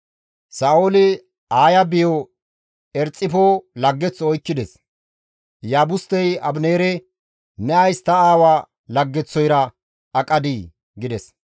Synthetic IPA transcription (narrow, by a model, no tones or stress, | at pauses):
saːoːlɪ | aːjɐbɪjɔ | ɛɾt͡sʼːɪfolɐɡːɛt͡sːɔɔjkːɪd̪ɛs | jaːbʊst̪ːɛjɐbneːɾɛ | nɛɐjst̪ɐaːwaː | lɐɡːɛt͡sːɔjɾɐ | ɐkʼɐd̪i | ɡɪd̪ɛs